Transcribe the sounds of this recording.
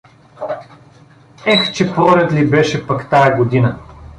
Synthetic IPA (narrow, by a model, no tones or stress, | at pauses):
ɛxt͡ʃɛpɾɔlʲɐt̪libɛʃɛpɐkt̪ajɐɡod̪inə